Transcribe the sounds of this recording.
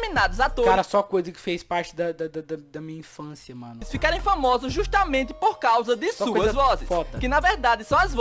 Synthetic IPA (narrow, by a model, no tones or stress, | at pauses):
minad̪ʊzat̪okaɾɐsɔkojzɐkɪ̥fejspaɾt͡ʃɪd̪ɐd̪ɐd̪ɐd̪ɐd̪ɐmĩɲɐĩfɐ̃sjɐmɐ̰̃nʊsfikaɾẽj̃fɐmɔzʊzʒuʃt̪ɐmẽnt̪ɪ̥poɾkawzɐd̪ɪsɔkuɐzɐvɔzɪsfɔt̪ɐkɪnɐvɛɾd̪ad̪ɪsɐ̃w̃ɐzv